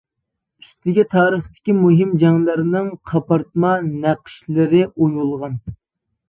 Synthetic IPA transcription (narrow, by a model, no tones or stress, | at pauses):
y̥st̪ʰɪɡʲit̪ʰɑːɾəχt̪ɪ̥kʲimuɦɪmd͡ʒɑŋlˠɨɾnɨŋqʰɑpɑɾt̪̚mɑnæqʰʃlɪɾɪʔojulˠʁɑn